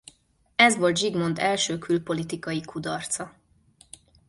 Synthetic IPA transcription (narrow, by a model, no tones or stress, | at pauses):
ɛzʋo̞lt̪ʒiɡmo̞nd̪ɛlʃøːkʰylpo̞lit̪ikɒjikʰud̪ɒrt̪sɒ